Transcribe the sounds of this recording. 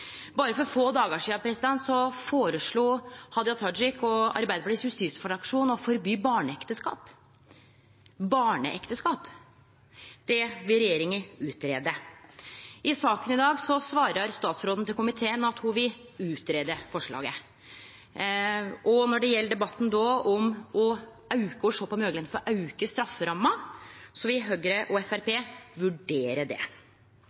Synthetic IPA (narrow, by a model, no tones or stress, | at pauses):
bɑːɾəfɔɾfoːd̪ɑːɡəʂiːɑpʰɾɛsɪd̪ɛnt̪sɔfoːɾəʂɭuːhɑd̪ɪɑt̪ʰɑd͡ʒɪkɔɑ̰ɾbæɪd̪əpɑʈʰiːshʉst̪iːsfɑɖɑkʂuːnɔfɔɾbyːbɑːɳəɛkt̪əskɑ̰ːp | bɑːɳə̰ʔɛ̰kt̪əskɑːp | d̪̥ɛʋɪlɾɛjeːɾɪŋənʉːt̪ɾeːd̪ə | ʔɪsɑːkənɪd̪ɑːɡsɔsʋɑːɾəɾst̪ɑːt̪sɾoːd̪n̩t̪ɪlkʊmɪt̪ʰeːənɑt̪hʊʋɪʉːt̪ɾeːd̪əfɔʂɭɑ̰ːɡə | ʔɔnɔɖɛjɛlːəɖɛbɑt̪ːn̩d̪ɔɔmɔ | ɑʉkəɔʂoːpɔmøːɡlɛnfɔɾɔʔɑʉkəst̪ɾɑfːəɾɑmːəsɔʋɪɦøːɡɾəʔɔɛfæɾpeːʋʉɖeːɾəɖɛ̰